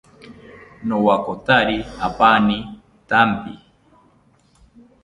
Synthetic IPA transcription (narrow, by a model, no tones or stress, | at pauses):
nowakot̪aɾiapani | t̪ampi